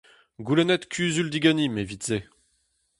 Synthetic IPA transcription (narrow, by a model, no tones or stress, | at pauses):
ɡulɛnɛt̪kʰʲyːzyld̪iɡanimevit̪z̥e